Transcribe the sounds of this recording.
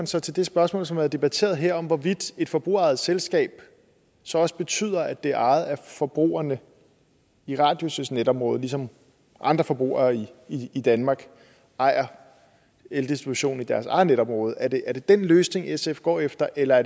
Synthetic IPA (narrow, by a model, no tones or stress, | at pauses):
ænsɒ̽t͡sʰe̝ld̥e̝sb̥ɶɐsmɔ̰lsɒmʋæhð̩ˠd̥e̝b̥æt͡sʰe̝̰ːɐð̩ˠɦeɐ̰ɒ̽mʋɒʋid̥e̝d̥fɒ̽b̥ʁṵɐɑ̈ɪð̩ˠselsɡ̥ɛ̰ːb̥ | sɒ̽ɒ̽səb̥e̝t͡sʰy̰ːð̞̰ˠɐæd̥e̝æɐɑ̈ɪð̩ˠæfɒ̽b̥ʁṵːɐnə | iʁɑ̈ːd̥jo̝søsned̥ɒ̽mʁɔ̽ːð̞ˠlisɒ̽m | ʔɑ̈nd̥ʁɐfɒ̽b̥ʁṵːɐiiːd̥ænmɑ̈ːɡ̥ | ɑ̈ɪ̰ɐ | eld̥isd̥ʁib̥uɕo̝̰ːn̩id̥æɐsɑ̈ɪð̩ˠneɾ̥ɒ̽mʁɔ̽ːð̞̩ˠæɐd̥e̝ʔæɐɾ̥e̝d̥enløːsne̝ŋesefɡ̥ɒ̰ːefd̥ɐʔelɐæɐd